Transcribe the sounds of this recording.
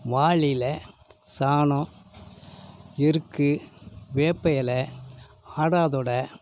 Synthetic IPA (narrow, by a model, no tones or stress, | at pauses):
ʋaːɭɪlɐsaːnɔ̃ | ɪɾɯkːɯʋeːpːɐjɐlɐ | aːɽaːðɔɽɐ